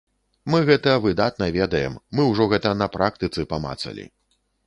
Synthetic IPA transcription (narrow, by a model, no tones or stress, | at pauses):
mɨɣɛt̪ɐvɨd̪at̪̚nɐvʲɛd̪ɐjɛ̰mːɨwʐɔɣɛt̪ɐnɐpɾak̚t̪ɨt̪sɨpama̰t̪sɐ̰lʲḭ